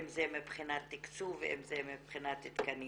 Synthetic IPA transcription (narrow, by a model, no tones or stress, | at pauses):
mzemipχinat̪ːikt͡suveḛmzemipχinat̪it̪kani